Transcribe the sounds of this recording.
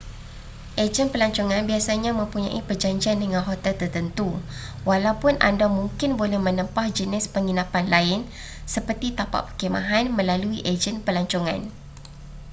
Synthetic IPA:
ʔed͡ʒənpəlaɲt͡ʃoŋãnbiasaɲãmə̃mpuɲã̰ʔipərd͡ʒaɲd͡ʒiandəŋãnɦot̪ɛlt̪ərt̪ənt̪u | walawpʊnʔa̰ndamuŋkɪnbolɛhmə̃nə̃mpahd͡ʒənɪspəŋinãpanlaɪn | səpərt̪it̪apa̰ʔpəkemã̰ɦanmə̃laluiʔed͡ʒənpəlaɲt͡ʃoŋã̰n

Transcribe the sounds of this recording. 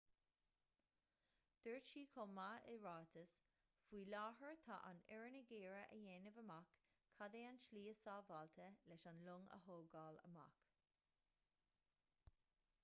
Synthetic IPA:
d̪̥əɹt͡ʃiːkʰoːmaɪ̰ɹɑːt̪ʰəs | fwiːlɑːɦəɹt̪ʰa̰ʔa̰nɛɹənəɡeːɹəʔəjeːnəvəmakʰː | ad̪eːanʃliːəsɑːvɑːlt̪ʰəlɛʃanlʊŋə̰ɦoːɡɑːlə̰ma̰k

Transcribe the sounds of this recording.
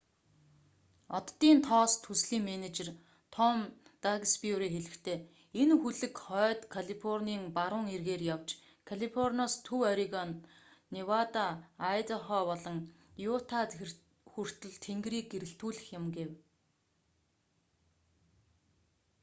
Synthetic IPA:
ɔt̪ːiːnt̪ʰɔːst̪ʰusɮiːŋmenet͡ɕer | t̪ʰɔm | t̪aɣspiuɾiːxeɮɘ̆kt̪ʰeː | enxuɮɘ̆kχœːt̪kʰaɮifʰɔrniːŋpaɾʊːŋerɣeːrjawt͡ɕ | kʰaɮʲifɔrnaːst̪ʰɵwɔɾʲiɣɔnː | iwat̪aːjt̪ɔχɔːpɔɮɞ̆ŋ | jʊt̪ʰa | xur̥t̪ɵ̆ɮt̪ʰeŋɡriːk̚ɡeɾɘ̆ɬt̪uːɮɘ̆xjɪ̆mɡew

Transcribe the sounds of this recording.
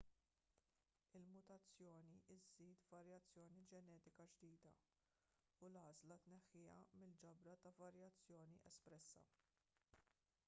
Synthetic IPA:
ɪlmʊt̪ɐt͡sːjɔːniʔɪzːiːt̪vɐɾjɐt͡sːjɔːnid͡ʒɛnɛːt̪ɪkɐd͡ʒd̪iːd̪ɐ̰ | ʊlɐːzlɐt̪nɛħːɪjɐ̰mɪld͡ʒɐbɾɐt̪ɐvɐɾjɐt͡sːjɔːniʔɛspɾɛsːɐ̰

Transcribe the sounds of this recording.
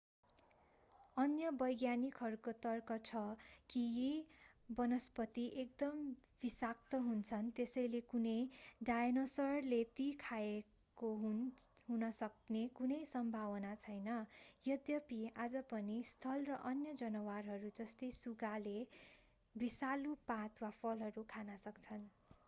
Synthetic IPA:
ʌnjʌbʌjɡjanikɦʌɾukot̪ʌrkʌt͡sʰʌki | bʌnʌspʌt̪iʔek̚d̪ʌmb̥isak̚t̪ʌɦunt͡sʰʌnt̪esʌjlekunʌjɖajenosʌrlet̪ikʰae | koɦɦunʌsʌk̚nekunʌjsʌmbʱawʌnat͡sʰʌjnʌjʌd̪jʌpiad͡zʌpʌnist̪ʰʌlrʌʔʌnjʌd͡zʌnʌwarɦʌɾud͡zʌst̪ʌjsuɡale | bisalupãt̪wapʰʌlɦʌɾukʰanʌsʌkt͡sʰʌn

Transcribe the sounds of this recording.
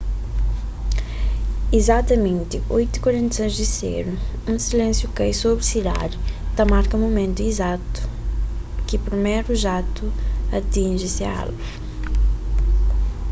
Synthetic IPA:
izat̪ɐmẽnt̪ɪojt̪i̥kwaɾẽnt̪sẽzd̪isḛɾu | ũsilẽsjukejsobɾɪsid̪a̰ɾɪt̪ɐmaɾkɐ̃momẽnt̪uizat̪u̥ | kɪpɾimeɾuʒat̪uɐt̪ĩnʒɪsɪɐa̰l

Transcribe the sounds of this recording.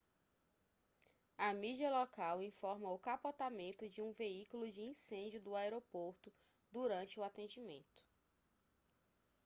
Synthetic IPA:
ɐmid͡ʒiɐlɔkawĩfɔɾmɐʊkapɔt̪amẽnt̪ʊd͡ʒɪũveikulʊd͡ʒɪĩsẽnd͡ʒʊd̪ʊaɛɾopoɾt̪ʊ | d̪uɾɐ̃nt͡ʃɪʊat̪ẽd͡ʒimḛ̃nt̪ʊ̥

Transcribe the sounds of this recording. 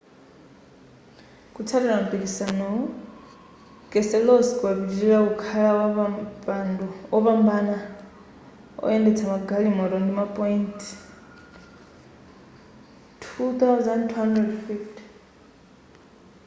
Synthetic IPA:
kʼut͡sʰaɾɛɾamupikisanɔ | kʼɛsɛlɔsi̥kʼuaβid͡ʒiɾiɺaukʰalaaanduɔpambana | ɔ̰ɛndɛt͡sʰamaɡalimɔɾɔndimapʼɔintʰ | tʰut̪awzantʰuhandrɛdfiftʰi̥

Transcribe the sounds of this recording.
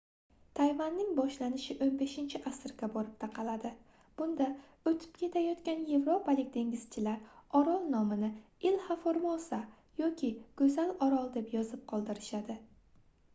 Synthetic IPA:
t̪ʰajvanːɪŋbɒʃlanɪʃɪʔonbe̞ʃɪnt͡ʃʰɪʔasɪɾɡʲabɒɾɪp̚t̪ʰaqʰɑlad̪ɪ | b̥ʊnd̪a | ɵt̪ʰɪ̥pkʲʰe̞t̪ʰajɒt̪kʲanje̞vɾopʰalɪkʲd̪e̞ŋʲɪz̥t͡ʃʰɪlaɾɒɾɒlˠnɒmɪnɪɪlhafoɾmɒlˠsa | jɒkʲɪkɵzalɒɾɒlˠd̪e̞pjɒzɪp̚qʰɒlˠd̪ɪɾɪʃad̪ɪ

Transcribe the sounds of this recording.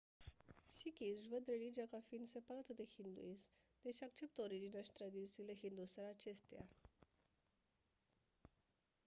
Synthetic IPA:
sikʲivəd̪ɾelid͡ʒijakafiːnd̪sepaɾat̪əd̪e̞hind̪ṵism | d̪̥eʃiak̚t͡ʃe̞p̚t̪əoɾid͡ʒinaʃi̥t̪ɾad̪itt͡siːleɦind̪useɾat͡ʃest̪ea̰

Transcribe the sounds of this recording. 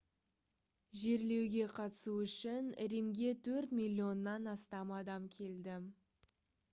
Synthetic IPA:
ʒe̞ɾle̞wɡʲe̞qʰɑt̪ə̥suʏʃɪnɪ̰ɾemɡʲe̞t̪ʰɵɾt̪mʲilʲːio̞nːɑnɑst̪ɑmɑd̪ɑmkʲʰe̞ld̪ɪ

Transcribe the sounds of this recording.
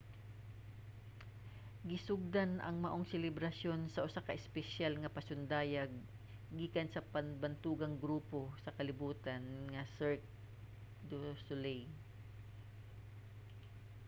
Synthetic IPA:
ɡɪsʊɡ̚d̪anʔɐ̰ŋmɐʔoŋsɛlɛbɾɐsjo̞nsɐʔʊsakɐʔɪspɛʃalŋɐpɐsʊnd̪aːjaɡ̚ː | iːkɐnsɐpanbant̪uːɡɐŋɡɾuːposɐkɐlɪbuːt̪anŋɐsɛɹt̚ | d̪osʊlɛj

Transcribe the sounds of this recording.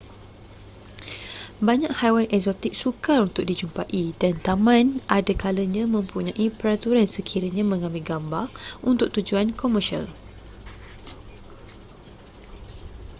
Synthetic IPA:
baɲãʔhajwanɛksɔt̪ɪk̚sukarunt̪ʊk̚did͡ʒumpaʔidant̪amãnʔadakaləɲãmə̃mpuɲãʔipəɾat̪uɾansəkʰiɾaɲãmə̃ŋãmbɪlɡambarunt̪ʊk̚t̪ud͡ʒuankɔməʃia̰l

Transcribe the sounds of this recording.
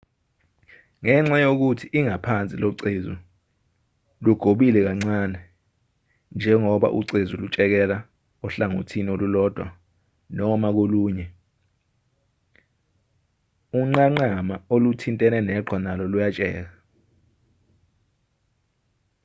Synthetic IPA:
ŋɛŋ͡ǁajok̬utʰiʔiŋapʰant͡sʼiloǀezṵ | luɡ̥ʱoɓilɛk̬aŋ͡ǀanɛ | nd͡ʒʱɛŋɔɓa̰ʔuǀezulut͡ʃʼɛk̬ɛla | ɔɬaŋo̰tʰiniolulɔd̥ʱwa̰ | nɔmak̬oluːɲɛ | uŋ͡ǀaŋ͡ǃamaolutʰintʼɛnɛnɛɡ͡ǃʱwanalɔlujat͡ʃʼɛːk̬a

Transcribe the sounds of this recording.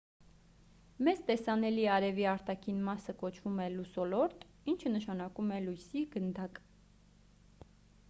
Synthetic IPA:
mɛzt̪ɛsɑnɛliɑɾɛviɑɾt̪ɑkʰinmɑsəkɔt͡ʃʰvumɛlusɔlɔɾt̪ | int͡ʃʰənəʃɑnɑkumɛlujsiɡənd̪ɑk

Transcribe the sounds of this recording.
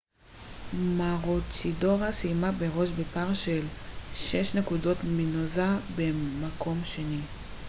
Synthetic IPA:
maʁot͡ʃido̞ʁasijmabe̞ʁo̞ʃbepaʁʃelʃeʃne̞kudo̞tlminozabemakʰo̞mʃe̞ni

